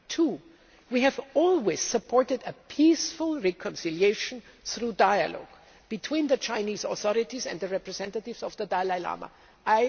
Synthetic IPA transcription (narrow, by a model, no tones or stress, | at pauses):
tʰu | wiɨvɔlˠwez̥səpʰɔɹtɨdəpʰisfʊlˠɹɛkʰɔ̃nsɪlijeɪʃə̃n̩θɹudaɪɨ̰lɔ̰ɡ̥ | b̥ɨtʰw̥ĩːnðɨt͡ʃãɪ̃niːzɔθɔɹɪtizɛ̰̃nd̪ðəɹɛpɹɨzɛ̃ntətɪvzɔvðədaɪlaɪla̰ma̰ | ʔaɪ